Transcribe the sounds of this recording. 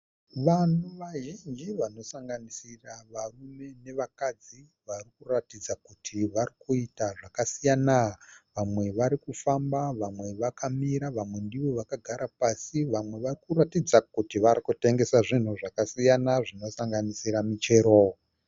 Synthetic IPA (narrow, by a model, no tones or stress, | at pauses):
ʋan̤uʋaʒind͡ʒiʋano̞saŋɡanisiraʋarume̞ne̞ʋakad͡zi | ʋarikuratid͡zakutʰiʋarikuitaʐakasijanaʋamwe̞ʋaɾikufambaʋamwe̞ʋakʰamiɾaʋamwe̞ndiwo̞ʋakaɡʱaɾʔapasiʋamwe̞ʋarikuratid͡zakutiʋarikute̞ŋɡe̞saʐin̤uʐakasijanaʐino̞saŋɡanisiɾamit͡ʃe̞ːɾo